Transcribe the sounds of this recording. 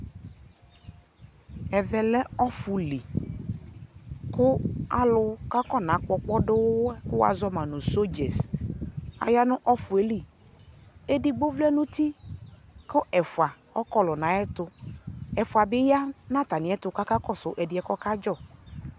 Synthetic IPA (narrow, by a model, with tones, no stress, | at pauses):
ɛ˨vɛ˨lɛ˦ɔ˦fʊ˨li˨ | kʊ˦a˦lʊ˦ka˦kɔ˦nã˨˦k͡pɔ˦k͡pɔ˦ɖɪ˦wʊ˦wɛ˦kʊ˦wa̰˨zɔ˦mã˨nʊ̃˨so˦d͡ʒɛ˨s | a̰˨ja˦nʊ̃˦ʔɔ˦fʊ˨e˨li˨ | e˦di˨ɡ͡bo˦vlɛ˦nʊ̃˦t̪i˦ | kɔ˦ʔɛ˨fwa˨ | ɔ˦kɔ˦lɔ˨nã˨˦ɛ˦t̪ʊ˦ɛ˨fʊ˨a˨bɪ˦ja˦nã˦t̪a˨nɪ̃˨˦ɛ˦t̪ʊ˨˦ka˦ka˦kɔ˦sʊ˨ʔɛ˨dɪ˨ɛ˨kɔ˦ka˦d͡ʒɔ˦˨